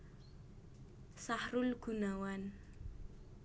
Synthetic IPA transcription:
sahɾʊlɡ̥unawan

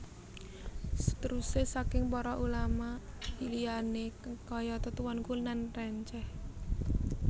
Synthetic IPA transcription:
sə̥t̪əɾusesakɪŋpɔɾɔʔulama | ilianekɔjɔt̪ət̪uwɔnkulnanrɛɲt͡ʃɛh

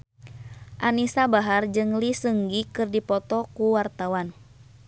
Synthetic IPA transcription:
ʔanisabaɦard͡ʒɨŋlisəŋɡikɨrdipɔt̪ɔkuwart̪awan

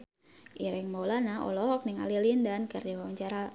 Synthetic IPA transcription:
ʔiɾɪŋmɔlanaɔ̰lɔɦɔk̚nɪŋa̰lilindankard͡ʒawawaɲt͡ʃaɾa

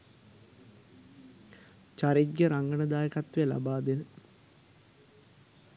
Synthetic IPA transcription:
t͡ʃaɾid̪ɡəɾaŋɡəɳəd̪aːjəkat̪ʋejəla̰baːd̪enə

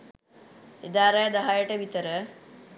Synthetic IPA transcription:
ed̪aːɾəjəd̪ɐɦajəʈəʋit̪əɾə

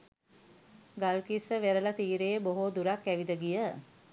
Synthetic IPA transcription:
ɡalkisəʋeɾəlat̪iːɾeːboɦod̪uɾakːæʋid̪əɡijə

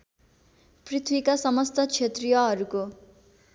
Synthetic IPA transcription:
prit̪ʰwikasʌmʌst̪ʌt͡sʰet̪rijʌɦʌɾuko

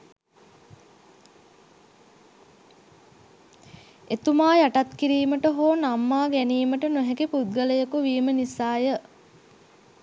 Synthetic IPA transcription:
et̪umaːjaʈat̪kiɾiːməʈəɦoːnamːaːɡɛniːməʈənuɦɛkipud̪̚ɡələjəkuʋiːmənisaːjə

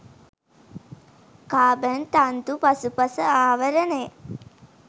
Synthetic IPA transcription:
kaːbənt̪ant̪upasupasəaːʋəɾənejə

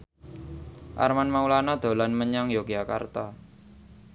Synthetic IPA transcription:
ʔa̰rmanmaulanad̪̥o̤lanməɲaŋjoɡijaka̰rt̪a

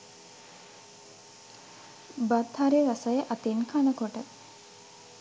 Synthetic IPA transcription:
bat̪haɾeɾasajəʔat̪inkʰanəkoʈə

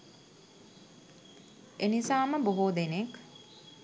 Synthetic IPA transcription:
enisaːməboɦoːd̪enek

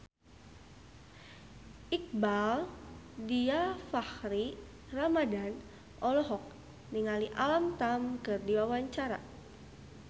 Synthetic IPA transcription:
ʔik̚baldiafahɾi | ramadan | ʔɔlɔɦɔk̚ | niŋaliʔalamt̪amkərdiwawaɲt͡ʃaɾa̰

